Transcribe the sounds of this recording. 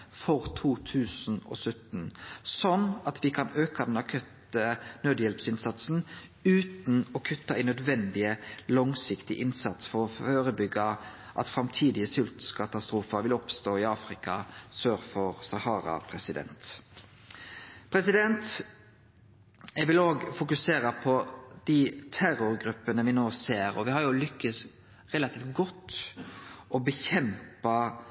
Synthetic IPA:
fɔʁt̪ʰuːt̪ʰʉːsn̩ɔ̰ːsœt̪n̩sɔnɑt̪ʋɪkʰɑnøːkɑd̪ɛnɑkʰœt̪ənød̪jɛlpsɪnsɑt̪sn̩ | ʉːt̪n̩ɔkʰʉt̪ːɑæɪnœd̪ʋɛnd̪ɪəlɔŋsɪkt̪ɪʔɪnsɑt̪sfɔʁɔføːʁəbʏɡəʔɑ̰t̪fʁɑmt̪ʰiːd̪ɪəsʏlt̪skʰɑt̪ɑst̪ʁuːfəʋɪlɔpst̪oːɪɑːfʁɪkɑsøːɾfɔʁsɑhɑːɾɑ̰pʰɾɛsɪd̪ɛ̰nt̪ | pʰɾɛsɪd̪ɛnt̪ | ɛʋɪloːɡfʊkʉseːɾəpʰɔd̪̥ɪt̪ʰæɾʊɾɡɾʉpːənəʋɪnoːseːɾɔʋɪhɑɾjʊlʏkːəs | ʁɛlɑt̪ʰiːft̪ɡɔt̪ː | ʔɔbəçɛmpɑ

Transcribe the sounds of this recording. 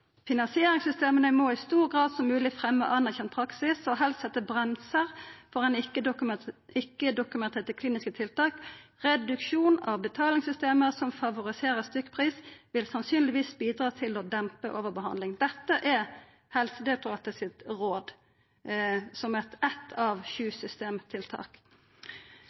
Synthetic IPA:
fɪnɑnsɪeːɾɪŋsʏst̪eːmənəmɔɪst̪uːʁɡʁɑːd̪sɔmʉːlɪfʁɛmːə̰ʔɑnːæçɛn̚pʰɾɑksɪsɔɦɛlst̪sɛt̪ːəbʁɛmsəʁfɔʁɛnɪə | ɪkːəd̪ʊkʉmɛnt̪ʰeːt̪əkʰliːnɪskət̪ʰɪlt̪ʰɑːkʁɛd̪ʉkʃuːnɑ̰ʋbət̪ʰɑːlɪŋsʏst̪eːməʁsɔmfɑʋʊʁɪseːʁəst̪ʏkːə̥pʰʁiːsʋɪlsɑnsyːnlɪʋiːsbiːd̪ʁɑːt̪ʰɪlɔd̪ɛmpəʔoːʋəʁbəɦɑ̰nd̪lɪŋd̪ɛt̪ːəʔɛ | hɛlsəd̪ɛt̪ʊɑːt̪əsɪt̪ʁoːd̪ | sɔmɛt̪ʰɛt̪ʰːɑʋçʉːsʏst̪eːmt̪ʰɪlt̪ʰɑ̰ːk

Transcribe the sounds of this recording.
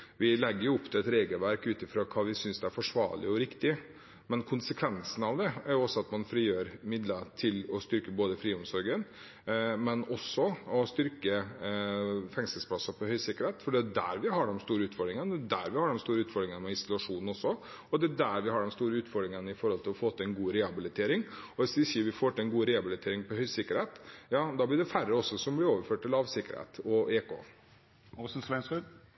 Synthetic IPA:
ʋɪlɛɡːəɾjʊʊpːt̪ʰɪlɛt̪ɾeːɡəlʋæɾkʉːt̪ɪfɾoːkʰɑːʋɪsʏnsd̪ɛæɾfɔʂʋɑ̰ːɾɭɪ̰ɔɾɪkt̪ɪ | mɛnkʰʊnsəkʰʋɛnsn̩ɑʋd̪ɛæɾjʊɔsːɔɑt̪mɑnfɾiːjøːɾmɪd̪lət̪ʰɪlɔst̪ʏɾkəboːd̪əfɾiːʊmsɔɾɡən | mɛnɔsːɔɔst̪ʏɾkə | fɛŋsəlspʰlɑsːɑpʰɔhœʏsɪkːəɾheːt̪fɔɖɛd̪æ̰ɾʋɪɦɑɖɛmst̪uːɾəʉːt̪fɔɾɖɾɪŋənd̪æɾʋɪhɑɖɛmst̪uːɾəʉːt̪fɔɾɖ̪ɾɪŋənmɛɪsʊlʉɑʂuːnn̩ɔsːɔ | ɔd̪ɛd̪æɾʋɪhɑɖɛmst̪uːɾəʉːt̪fɔɾɖ̪ɾɪŋənɪfɔɾhɔlt̪ʰɪlɔfoːt̪ɪɛnɡuːɾɛːhɑbɪlɪt̪ʰeːɾɪŋɔʋɪsd̪ɪsiːʋɪfoːʈ̪ɪɛnɡuːɾɛːɑbɪlɪt̪ʰeːɾɪŋpɔhœʏsɪkːəɾheːt̪jɑːd̪ɑːblɪɖɛfæɾːəɔsːɔsɔmblɪɾoːʋəɾføːʈ̚ːɪlɑːʋsɪkːəɾhḛːt̪ɔʔeːkʰo̰ː | ɔsnsʋɛnskʉd̪

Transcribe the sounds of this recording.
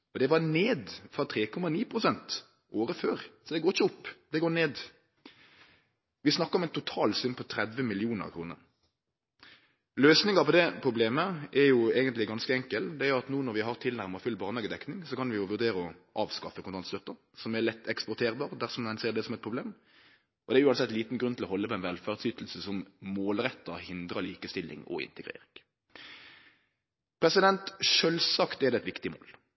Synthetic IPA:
ɔd̪ɛʋɑneːd̪fɑt̪ʰɾeːkʰɔmɑniːpʰɾʊsɛnt̪ | ʔoːɾəføːɾsɔd̪ɛɡoːɾɪçəɔpːd̪ɛɡoːneːd̪ | ʋɪsnɑkːɑɔmɛɪnt̪ʊt̪ʰɑːlsʏnpʰɔt̪ʰɾɛd̪ʋəmɪlɪuːnə̰ɾkʰɾuːnə̰ɾ | løːsnɪŋɑpɔd̪ɛpʰɾʊbleːməʔɛɾjʊeːɡənt̪lɪɡɑnskəɛŋkəld̪ɛæːɾjʊɑt̪nuːnɔɾʋɪɦɑɾt̪ʰɪlnæɾməfʉlːbɑːʁnɑːɡəd̪ɛknɪŋsɔkɑnʋɪjʊʋʉɾd̪eːɾəɔʔɑːʋskɑfːəkʰʊnt̪ʰɑnt̪st̪œt̪ːə | sɔmɛʁlɛt̪ːɛkspɔʁt̪ʰeːʁbɑːʁd̪æʁsɔmɛnseːʁd̪ɛsɔmɛt̪̚pʰʁʊbleːm | ʔɔd̪ɛɾjʉːɑnsɛt̪ːliːt̪n̩dɡɾʉnt̪ʰɪlɔɦɔlːəpʰɔɛnʋɛlfæːʁd̪syːt̪l̩səsɔmmoːlɾɛt̪ːəhɪnd̪ɾəliːkəst̪ɪlːɪ̰ŋɔ̰ɪ̰nt̪əɡʁḛːɾɪŋ | pʰɾɛsɪd̪ɛnt̪ʃœlsɑkt̪ɛʁd̪ɛːɛt̪ʋɪkt̪ɪmo̰ːl

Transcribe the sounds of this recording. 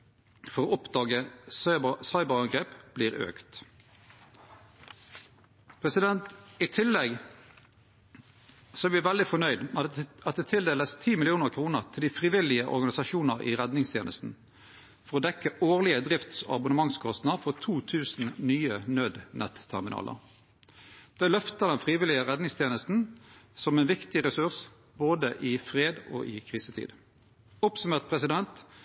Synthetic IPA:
fɔʁoːɔpd̪ɑːɡəssɑɪbəʁɑŋɡʁeːpb̥liːʁø̰ːkt̪ | pʰʁɛsɪd̪ɛnt̪ɪt̪ʰɪlːɛɡ | sɔæɾʋɪæʋɛld̪ɪfɔnœʏd̪ɑt̪̚d̪eːt̪ʰɪld̪eːləst̪ʰiːmɪlɪuːnəʁkʰʁuːnəʁt̪ʰɪld̪iːfʁɪʋɪlɪəʔɔ̰ʁɡɑnɪsɑʃuːnəʁḭːʁɛd̪nɪŋst̪ʰjeːnə̰st̪n̩ | fɔʁɔːd̪ɛkːəʔoːʁlɪəd̪ʁɪft̪sɔ̰ɑ̰bʊnəmɑŋskʰɔst̪nɑfɔʁt̪ʰuːt̪ʰʉːsn̩nyːənøːd̪nɛ̰t̪t̪ʰːæ̰ʁmɪnɑ̰ːlʔə̰ʁ | d̪̥ɛlœft̪əd̪ɛnfʁiːʋɪlɪəʁɛd̪nɪŋst̪ʰjeːnəst̪n̩sɔmɛːnʋɪkt̪ɪʁɛsʉʁs | boːd̪əʔɪfʁeːd̪o̰ːʔɪkʰʁiːsət̪ʰḭːd̪ | ʊpsʉmeːʁt̪̚pʰʁɛsɪd̪ɛnt̪

